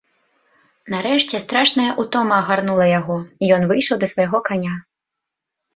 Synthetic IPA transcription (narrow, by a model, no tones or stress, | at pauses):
naɾɛʂt͡sʲɛst̪ɾaʂnɐjɐʔut̪ɔmɐːɣarnulˠɐjaɣɔijɔnvɨjʂɐwd̪ɐsvɐjɣɔkanʲa